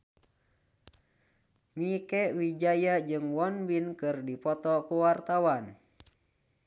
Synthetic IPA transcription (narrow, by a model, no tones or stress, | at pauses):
mikɛwid͡ʒajad͡ʒɨŋwɔnbinkɨrdipɔt̪ɔkuwart̪awan